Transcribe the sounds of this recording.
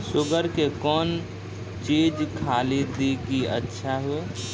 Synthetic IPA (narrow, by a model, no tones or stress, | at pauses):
sʊɡəɾkekɔːn | t͡ʃiːd͡ʒkʰaːlid̪iɡiə̰tːʃʰaɦue